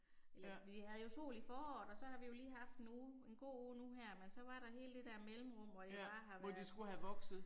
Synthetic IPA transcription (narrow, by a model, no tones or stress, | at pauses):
elɐʋihæð̩ˠjo̝so̝̰ːlifɒːɒ̰ːd̥ɒ̽sɒ̽hɑ̈ʋijo̝liːɦɑ̈fd̥nue̝nɡ̥o̝̰ːoːnuɦæɐ̰mensɒ̽ʋɑ̈ɾ̥ɑ̈ɦe̝ːləd̥e̝d̥æɐmelm̩ʁɔm̰ʋɒd̥i̥ɑ̈ːɦɑ̈ʋɒdisɡ̥uhæʋɒ̽ɡ̥sð̩ˠ